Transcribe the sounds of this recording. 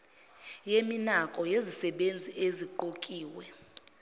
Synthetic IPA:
jeminakʼɔjezisɛɓend͡zʱieziǃokʼiːwɛ

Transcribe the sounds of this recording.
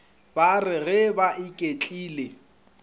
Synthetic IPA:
barɪɣɛbaʔɪkʼet͡ɬʼiːle

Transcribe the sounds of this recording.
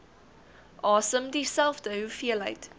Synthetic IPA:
ʔɑːsəmdisælˠfdəwfiəlɐ̰jt

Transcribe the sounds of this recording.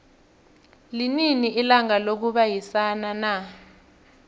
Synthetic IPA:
lininiʔilaŋalok̬uɓajisanana

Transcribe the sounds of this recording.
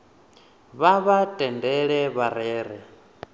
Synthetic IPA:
βaβatʼɛndɛɺɛβaɾɛːɾɛ

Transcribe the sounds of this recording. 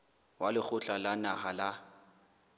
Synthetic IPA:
walɪk͡xʊt͡ɬʼalanahala

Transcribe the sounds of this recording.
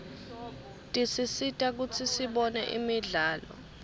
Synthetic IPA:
tʼisisitʼak̬ut͡sʰisiɓɔnɛ̰ʔḭmiɮaːlɔ̰

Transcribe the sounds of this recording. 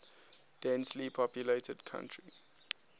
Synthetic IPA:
d̥ɛ̃nslipʰɔpʰjuletədkʰã̰ntʰɹi

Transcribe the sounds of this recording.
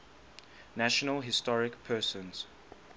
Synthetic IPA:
naʃɔnəlɦɪstɔɹɪkpʰɜːsə̃nz̥

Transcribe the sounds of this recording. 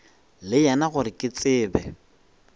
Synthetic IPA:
lɪjanaɣʊɾɪkʼɪt͡sʼɪːbɛ

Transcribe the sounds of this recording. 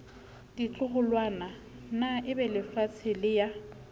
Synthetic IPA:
dit͡ɬʼʊχʊlwana | naʔɪbɛlɪfat͡sʰɪlɪja

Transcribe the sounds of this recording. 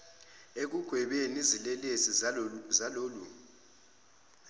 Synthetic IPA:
ek̬uɡ̥ʱwɛɓenizilɛlesizaloːlu

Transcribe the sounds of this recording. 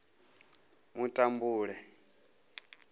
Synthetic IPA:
mutʼambuːɺɛ

